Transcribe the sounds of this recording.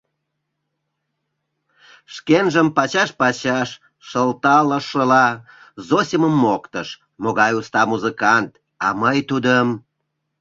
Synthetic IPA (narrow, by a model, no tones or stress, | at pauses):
ʃkenʒəmpɑt͡ɕɑʃpɑt͡ɕɑʃ | ʃəlt̪ɑləʃəlɑ | zosʲiməmːokt̪əʃ | moɣɑjust̪ɑmuzikɑnt̪ | ɑməjt̪ud̪əm